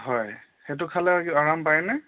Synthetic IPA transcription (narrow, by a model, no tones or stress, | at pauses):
ɦɔj | xet̬ʊkʰalɛiaɹampajnɛ